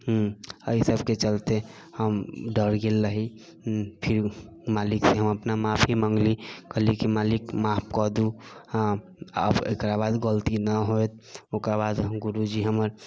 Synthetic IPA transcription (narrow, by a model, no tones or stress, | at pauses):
ɦəisəbket͡ʃəlt̪e | həmɖəɾɡelːəɦi | pʰiɾ | maːlikseɦəməpnamapʰiməŋɡlikəɦlikimalikmapʰkɔd̪u | ə̰bḛkɾabad̪ɡəlt̪inəɦoet̪̚ʰokɾabad̪ɡuɾud͡ʒiɦəməɾ